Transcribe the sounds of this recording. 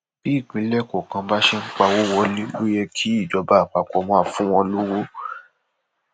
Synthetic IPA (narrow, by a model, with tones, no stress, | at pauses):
b̥i˨˦i˦˨k͡pĩ˨˦lɛ˦ko˨kã˧ba˦ʃe˦ŋ̩˦k͡pa˧wo˦wɔ˧li˦lo˦jɛ˧kʰi˦i˦˨d͡ʒɔ˨˧˦ba˦˨k͡pa˧kɔ˧mɔ̃˧˦a˧fũ˦w̃ɔ̃˧lu˦wo˦